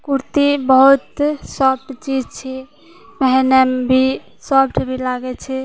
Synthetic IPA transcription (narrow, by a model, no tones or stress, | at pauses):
kuɾt̪ibəɦut̪sɔp̚ʈt͡ʃid͡ʒt͡ʃʰɛ | mɛɦɛnəmbʱi | sɔpʈʰbʱilaɡɛt͡ʃʰɛ